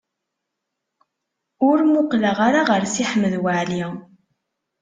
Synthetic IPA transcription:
ʊɾmʊqləʁaɾaʁəɾsiħəmːəðwəʕli

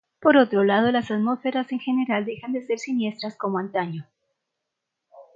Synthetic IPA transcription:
po̞ɾo̞t̪ɾo̞lað̞o̞lasaðmo̞sfe̞ɾase̞ŋxe̞ne̞ɾald̪e̞xand̪e̞se̞ɾsinje̞st̪ɾasko̞moant̪aɲo

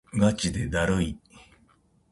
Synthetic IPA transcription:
ɡat͡ɕid̪e̞d̪aɾɯi

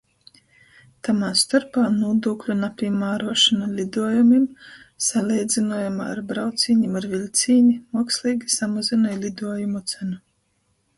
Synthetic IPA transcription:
t̪amaːst̪aɾpaːnuɔd̪uːklʲunapʲiɛmaːɾuɔʃanalʲid̪uɔjumim | salʲɛjd̪zinuɔjama̰ːɾbɾawt̪siːɲimaɾvilʲt̪sʲiːnimuɔkslˠiːɡisamazinajlʲid̪uɔjumut̪sænu

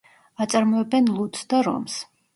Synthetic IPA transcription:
at̪sʼaɾmɔɛbɛnlˠut̪sd̪aɾɔ̰ms

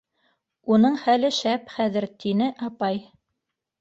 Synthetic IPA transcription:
unɤɴχælɘʃæpχæðɘɾt̪inɘʔɑpɑj

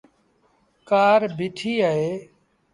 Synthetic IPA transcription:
kaːɾbʱiʈʰiːaːɦeː

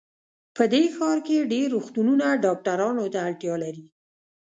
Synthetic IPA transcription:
pəd̪exɑɾkeɖeɾːoxt̪ununaɖɑk̚ʈaɾɑnot̪aːlʈ̪jɑlaɾi

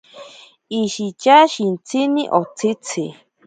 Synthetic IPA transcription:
iʃit͡ʃaʃint͡sʰiniʔot͡sʰit͡sʰi

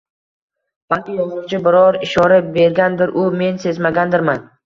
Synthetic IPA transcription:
b̥alkʲɪjɒzʊwt͡ʃʰɪbɪɾɒɾɪʃɒɾabe̞ɾɡʲand̪ɪɾʔʊme̞nse̞zmaɡʲand̪ɪɾman

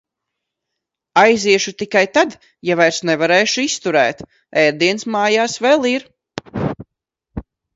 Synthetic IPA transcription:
ajziɛʃut̪ikajt̪ad̪ | javajɾsnɛvaɾeːʃuist̪uɾɛ̰ːt̪ | ɛɾd̪iɛnsmaːjaːsvɛlˠiɾ

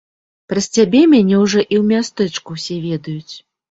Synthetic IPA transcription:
pɾɐsʲt͡sʲabʲɛmʲanʲɛwʐɔʔiwmʲast̪ɛt͡ʂkuwsʲɛvʲɛd̪ɐjut͡sʲ

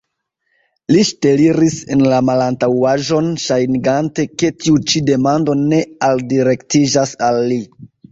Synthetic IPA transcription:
liʃte̞liɾise̞nlamalantawaʒo̞nʃajniɡante̞ke̞tiut͡ʃide̞mando̞ne̞aldiɾe̞ktid͡ʒasalːi

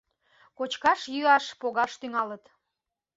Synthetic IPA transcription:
kot͡ɕkɑʃjyɑʃpoɣɑʃt̪yŋɑlət̪

